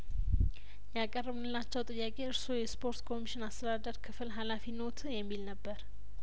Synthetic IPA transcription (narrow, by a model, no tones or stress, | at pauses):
jakʼərːɨβnɨlːat͡ʃːɛwt̪ʼɨjːakʼe̞ɨɾsojɛspʰo̞ɾt̪kʰo̞miʃɪnast̪ʰəd̪ad̪əɾkʰɨfɨlɦalafinot̪ʰjɛmːilnəbːəɾ